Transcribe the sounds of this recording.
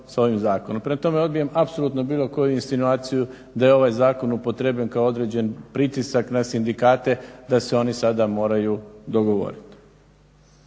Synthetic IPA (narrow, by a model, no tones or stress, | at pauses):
sao̞ʋimzaːko̞nompɾemat̪o̞me̞o̞d̪̚bijemapso̞lˠut̪no̞biːlˠo̞ko̞juinst̪inuaːt̪siju | d̪aje̞o̞ʋajzaːko̞nupo̞t̪ɾe̞bʎenkaoo̞d̪ɾe̞ːd͡ʑe̞npɾit̪isaknasind̪ikaːt̪e̞d̪aseo̞nisad̪amo̞ːɾajud̪o̞ɡo̞ʋo̞̰ɾit̪